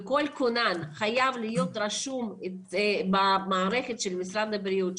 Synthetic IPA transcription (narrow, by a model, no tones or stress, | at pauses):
ko̞lkonanχajavlijo̞t̪ɾaʃumebamaːɾeχet̪ʃelmisɾad̪lebɾijut̪